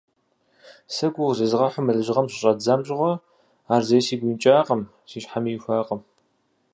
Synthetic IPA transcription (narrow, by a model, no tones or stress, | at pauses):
sɐɡʷʊʁzɨzɨʁɐħʷʊmɨlɨʑɪʁɐmɕʼɪɕʼɐd͡zɐmɕʼɪʁʷɔ | aːrzɐjsiːɡʷiːnt͡ʃʼaːqʼəm | siːɕħamiːxʷaːqʼəm